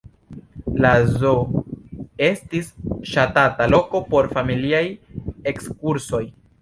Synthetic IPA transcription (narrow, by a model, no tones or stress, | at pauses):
lazo | e̞stisʃatatalo̞ko̞po̞ɾfamiliaje̞kskuɾso̞j